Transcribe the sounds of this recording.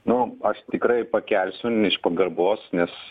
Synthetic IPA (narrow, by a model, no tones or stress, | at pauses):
nʊɐʃt̪ʲɪkɾɐɪpɐkʲælʲsʲʊɪʃpɐɡɐrboːsnʲɛs